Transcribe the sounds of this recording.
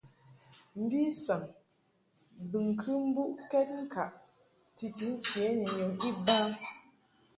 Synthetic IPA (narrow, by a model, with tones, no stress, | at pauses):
m̩˦bi˦sa˨ŋ | bɨ˨ŋ˨kʰɨ˦m̩˦bu˦ʔkɛ˦t̚ŋ̩˦ka˨ʔ | ti˨ti˨˦n̩˦t͡ʃje˨˦ni˨ɲo˨ŋi˦ba˦